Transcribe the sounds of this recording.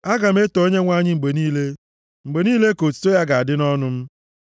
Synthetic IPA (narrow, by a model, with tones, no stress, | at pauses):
a˦ɡa˨m̩˦e˦to˨o˦ɲe˦ŋʷa˦ɲɪ˦ŋ͡m̩˨ɡ͡be˨niː˦le˦ | ŋ͡m̩˨ɡ͡be˨niː˦le˦ko˨tu̥˨˦to˦ja˦ɡa˨a˨dɪ˦nɔ˦nʊ˦m̩˦